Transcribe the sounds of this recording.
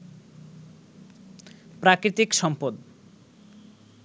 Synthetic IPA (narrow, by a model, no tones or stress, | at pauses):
pɾakɾit̪ikʃɔmpod̪